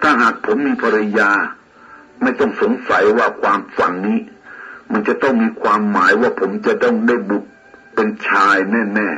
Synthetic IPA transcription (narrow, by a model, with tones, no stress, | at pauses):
t̪ʰaː˥˩ɦaː˨˩k̚pʰo˩˦mːiː˧pʰa˧ɾa˧jaː˧ | ma˥˩jt̪ɔ˥˩ŋso˩˦ŋsa˩˦jwaː˥˩kʰwaː˧mfa˩˦nːiː˦˥ma˧nt͡ɕa˨˩t̪ɔ˥˩ŋmiː˧kʰwaː˧mːaː˩˦jwaː˥˩pʰo˩˦mt͡ɕa˨˩t̪ɔ˥˩ŋdaː˥˩jbu˨˩k̚ | pe˧nt͡ɕʰaː˧jnɛː˥˩nɛː˥˩